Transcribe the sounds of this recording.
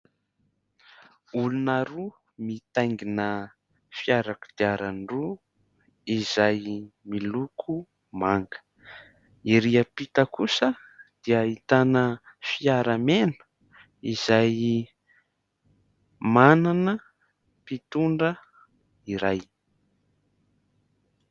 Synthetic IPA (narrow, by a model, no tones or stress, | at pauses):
ulunaɾu | mit̪ajŋɡinə | fiaɾaku̥d̪̥iaɾaɳɖ͡ʐu | izajmilukʰu | maŋɡə̥ | iɾiəpit̪əkusə | d̪̥iaːit̪anə | fiaɾamenu̥ | izaj | mananə | pit̪uɳɖ͡ʐə | iɾaj